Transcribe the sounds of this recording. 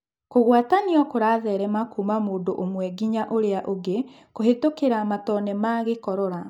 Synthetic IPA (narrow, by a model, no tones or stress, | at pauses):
koɣwataniɔkoɾaːðɛːɾɛmakuːmamoːndoʔomwɛɡiɲaʔoɾeaʔoɡe | koɦetokeɾamatɔnɛmaɣekɔɾɔɾa